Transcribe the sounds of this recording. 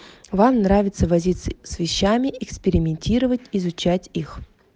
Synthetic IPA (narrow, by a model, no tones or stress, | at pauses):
vamnravʲɪt̪səvɐzʲit̪səsvʲɪɕːamʲɪʔɪkspʲɪɾʲɪmʲɪnʲtʲiɾəvətʲiɪzʊt͡ɕætʲix